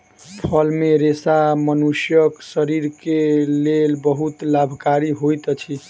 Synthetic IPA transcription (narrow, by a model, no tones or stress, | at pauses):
pʰəlmeɾesamənusjəksəɾiɾkelelbəɦut̪labʱkaɾiɦojt̪ət͡ʃʰi